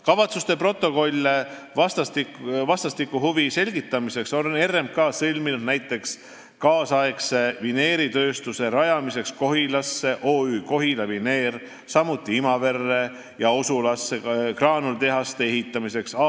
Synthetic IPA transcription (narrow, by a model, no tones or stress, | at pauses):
kɑvɑt̪sust̪e̞pro̞t̪ˑːo̞ko̞lʲːe | vɑst̪ɑt̪ivɑst̪ɑst̪ikːˑuɦuvise̞lʲɡ̥it̪ːˑɑmise̞kso̞ne̞rːemkɑːsɤlʲminud̪næjt̪ːˑe̞ks | kɑːsɑe̞kse̞vine̞ːɾit̪ø̞ːst̪use̞ɾɑjɑmise̞ksko̞ɦilɑsːe̞ʔo̞ːyːko̞ɦilɑvine̞ːr | sɑmut̪ˑːiimɑve̞rːe̞ | jɑo̞sulɑsːe̞krɑːnult̪e̞ɦɑst̪eeɦit̪ːˑɑmise̞ksɑ